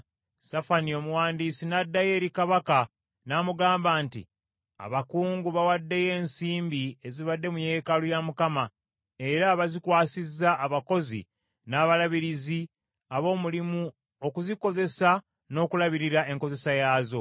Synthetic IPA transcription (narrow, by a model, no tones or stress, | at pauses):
safanio̞muwaːndisinadːaje̞ːɾikaβaka | naːmuɡaːmbaːntḭ | a̰βakuːŋɡuβawadːe̞je̞ːnsiːmbie̞ziβadːe̞muje̞ːkalujamukama | e̞ɾaβazikwaːsizːaːβako̞zḭ | naːβalaβiɾizi | aβo̞ːmulimu | o̞kuziko̞ze̞sa | no̞ːkulaβiɾiɾaʔe̞ŋko̞ze̞sajaːzo̞